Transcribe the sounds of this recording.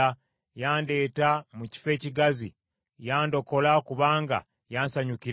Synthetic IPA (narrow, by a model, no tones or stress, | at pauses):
a | jaːnde̞ːtamuci̥fe̞ːciɡazḭ | jaːndo̞ko̞lakuβaːŋɡa̰ | jaːnsaɲukiɾ